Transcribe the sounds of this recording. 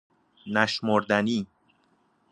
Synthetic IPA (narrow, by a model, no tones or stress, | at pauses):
næʃmoɾd̪æniː